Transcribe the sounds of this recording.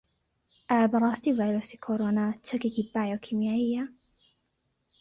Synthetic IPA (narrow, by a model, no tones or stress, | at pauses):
ʔabɑɾˤɑst̪ivajɾusikʰoɾonat͡ʃakikibajokʰimjaɪjːa